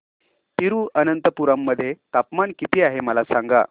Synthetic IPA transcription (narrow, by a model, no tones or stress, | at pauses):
t̪iɾuːʔənənt̪əpuɾamːəd̪ʱːjet̪apmankit̪iːaɦeməlasãŋɡa̰